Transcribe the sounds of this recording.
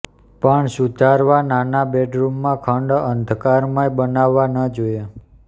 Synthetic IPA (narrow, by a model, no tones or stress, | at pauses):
pəɳsud̪ʱaɾʋananabeɖɾumːãkʰəɳɖənd̪ʱkaɾmãjbənaʋːanəd͡ʒoe